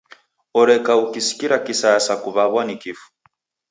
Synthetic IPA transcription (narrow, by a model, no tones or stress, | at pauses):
ɔɾɛkaukisi̥kiɾakisasakuβaβwanikifu̥